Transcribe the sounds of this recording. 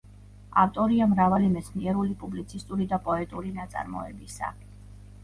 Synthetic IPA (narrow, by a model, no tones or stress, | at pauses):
a̰ft̪ʼɔɾiamɾavalimɛt̪sʰniɛɾulipʼublit̪sʰist̪ʼuɾid̪apʼɔɛt̪ʼuɾinat̪sʼa̰ɾmɔ̰ɛ̰bisa̰